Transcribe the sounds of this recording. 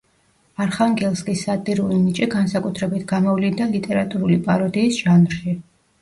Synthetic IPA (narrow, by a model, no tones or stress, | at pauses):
aɾχaŋɡɛlˠskʼisːat̪ʼiɾulinit͡ʃʼiɡansakʼut̪ʰɾɛbit̪ʰɡamɔvlind̪alit̪ʼɛɾat̪ʼuɾulipʼaɾɔd̪iːsʒ̥anɾʃi